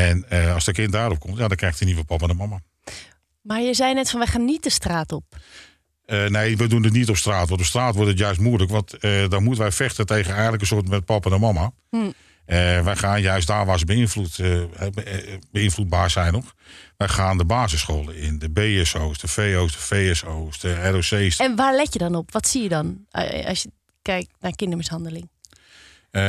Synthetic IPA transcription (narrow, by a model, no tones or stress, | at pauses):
ɛnəɑsdəkɪntdaːɾɔp̚kʰɔmtjadɔkrɛjxtiniʋəlˠpɔpəndəmɔma | majəzɛjnɛtfɔnʋɛxaːnːitəstraːtɔp | əneːʋɛjdundət̬nitɔpstraːtʋɔɑntɔpstraːtʋʊtət̬jœɥs̬tmuələkʋɑntdɔnmutənʋɛjfɛxtətejɣənɛjəntləkənsoətmɛt̚pɔpəndəmɔma | əʋɛjxaːnjœɥs̬tdaːʋasbəinflutɛbəɪnflud̚baːsɛjnɔxʋɛjxaːndəbaːzəsxoːlˠəɪndəbeːɛsoːsdəfeːoːsdəfeːɛsoːsdəɛroseːsɛnʋalɛjədɔnopʋɔtsiːjədɔnɔ̰sjə | kɛjk̚nakɪndəmɪshɑndəlɪŋ